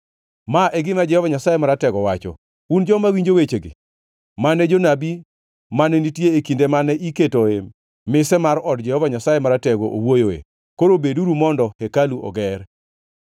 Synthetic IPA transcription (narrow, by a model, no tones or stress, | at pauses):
maʔɛɡɪmad͡ʒɛhɔvaɲasajemaɾatɛɡɔwat͡ʃɔ̰ | und͡ʒɔmawiɲd͡ʒowet͡ʃeɡɪ̰ | manɛd͡ʒonabi | manɛnitjeːkindemanɛʔiketoe | mɪsɛmaɾɔdd͡ʒɛhɔvaɲasajemaɾatɛɡoʔowojoḛ | koɾobeduɾumɔndɔhekaluʔɔ̰ɡɛr